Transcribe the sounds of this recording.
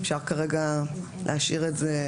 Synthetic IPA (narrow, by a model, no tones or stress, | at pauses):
fʃaʁkaʁeɡa | lʔeaʃiʁetze